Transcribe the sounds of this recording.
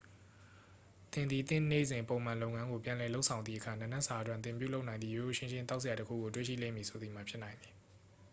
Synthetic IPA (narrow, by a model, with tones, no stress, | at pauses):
t̪ɪ̃˨nd̪ði˨t̪ɪ̰̃˦˨nḛ˦˨zɪ̃˨mpõ˨ʊ̃mã˨lo˦ʊŋã˦ŋɡo˨pjã˨lɛ˨lo˦ʊʔsʰã˨ʊ̃nðḭ˦˨ʔəkʰa˨nã˨nɛ˦ʔsa˨ʔətwɪ̃˨nt̪ɪ̃˨pju˦lo˦ʊʔnã˨nðḭ˦˨jo˨o˨ʃɪ̃˦nʃɪ̃˦nt̪̬a˦ʊʔs̬ɪ˨ja˨təkʰṵ˦˨ɡo˨twḛ˦˨ʃḭ˦˨lḛ̃˦˨mi˨sʰo˨d̪i˨m̥a˨pʰjɪ˦ʔnã˨ɪ̃nd̪i̥˨